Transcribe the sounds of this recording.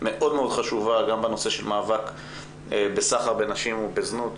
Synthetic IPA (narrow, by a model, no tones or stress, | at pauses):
me̞ʔo̞dmeo̞d̪χaʃuvaɡambeno̞se̞ʃelmaːvak | ebesaχaʁbenaʃimubeznut̪